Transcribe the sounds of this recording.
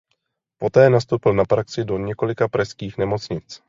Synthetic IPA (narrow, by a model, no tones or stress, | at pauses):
po̞t̪ɛːnast̪owpɪlnapɾaksɪdo̞ɲɛko̞lɪkapɾɛskiːxnɛmo̞t͡sɲɪt͡s